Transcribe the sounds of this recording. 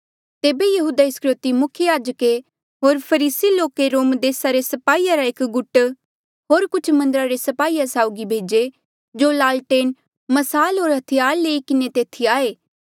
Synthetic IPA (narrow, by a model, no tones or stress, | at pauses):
t̪eːbejɐɦuːd̪aɪskɾʊt̪imʊkʰjəjaːd͡ʒəke | ɦoːɾpʰɐɾiːsiloːkeɾoːmd̪eːsaɾesɐpaːiːjaɾaeːkɡʊʈ | ɦoːɾkʊt͡ʃʰmɐ̃nd̪əɾaɾesɐpaːiːjasaːʊɡibʱeːd͡ʒe | d͡ʒolaːlʈeːn | mɐsaːlɦoːɾɦɐt̪ʰijaːɾleːikɪnet̪eːt̪ʰiaːeː